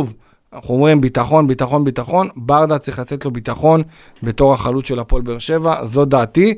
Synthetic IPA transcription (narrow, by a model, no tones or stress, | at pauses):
uv | χomʁimbitaχo̞nbitaχo̞nbitaχo̞nbaʁd̪at͡sʁiχlat̪etlo̞bit̪aχo̞n | be̞to̞ʁaχalut̪ʃe̞lapo̞lbeːʁʃe̞vazo̞daːt̪i